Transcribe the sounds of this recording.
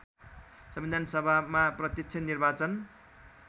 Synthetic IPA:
sʌmbid̪ʱansʌbʱamaprʌt̪jʌkt͡sʰennːirbat͡sʌn

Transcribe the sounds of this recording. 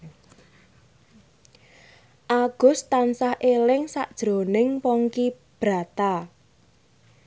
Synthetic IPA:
ʔaɡ̥ʊ̤st̪ansahʔelɪŋsaʔd̥ʒ̥ɾo̤nɪŋpɔŋki | b̥ɾa̤t̪a

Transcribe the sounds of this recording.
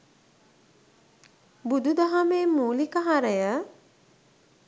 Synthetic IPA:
bud̪ud̪aɦameːmuːlikəɦaɾəjə

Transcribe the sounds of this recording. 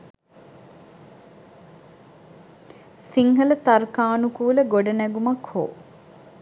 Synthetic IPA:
siŋɦələt̪arkaːnukuːləɡoɖənæɡumakho̰ː

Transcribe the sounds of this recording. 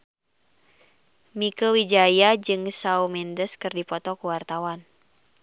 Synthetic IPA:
mikəwid͡ʒajad͡ʒɨŋsaumɛndəskɨrdipɔt̪ɔkuwart̪awan

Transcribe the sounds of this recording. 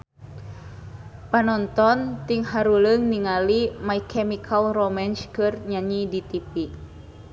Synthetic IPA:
panɔnt̪ɔnt̪iŋhaɾuləŋniŋalimaikʰɛmikʰalromɛnt͡ʃkɨrɲaɲidit̪ipi

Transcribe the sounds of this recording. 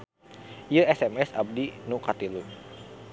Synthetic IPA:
iəɛsɛmɛsab̚dinukat̪ilun

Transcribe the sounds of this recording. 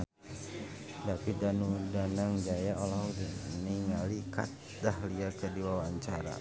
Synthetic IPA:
dapidanudanaŋd͡ʒajaɔlaniŋalika̰t̪̚dahliakədiwawaːɲt͡ʃaɾa̰

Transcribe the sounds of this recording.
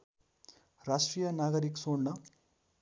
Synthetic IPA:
ɾaːʂʈɾijɐnaːɡɐɾiksoːɳnɐ

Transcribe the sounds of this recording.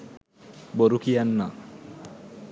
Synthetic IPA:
boɾukijanːa

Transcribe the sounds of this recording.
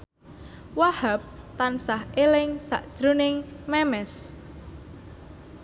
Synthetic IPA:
wahap̚t̪ansahelɪŋsa̰ʔd̥ʒ̥ɾunɪŋmɛmɛs

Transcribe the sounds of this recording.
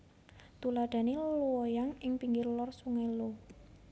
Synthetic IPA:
t̪ulaɖ̪̥a̤nelluwɔjaŋɪŋpiŋɡɪrlɔrsuŋelo

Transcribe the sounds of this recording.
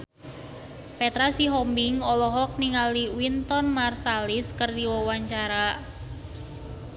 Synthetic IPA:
pet̪ɾasiɦɔmbɪŋɔlɔɦɔk̚niŋaliwint̪ɔnmarsalɪskərdiwɔwaɲt͡ʃaɾa

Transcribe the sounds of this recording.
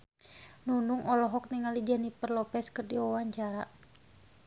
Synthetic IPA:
nunuŋɔlɔɦɔk̚niŋalid͡ʒanipərlɔpɛskɨrdiwawaɲt͡ʃaɾa

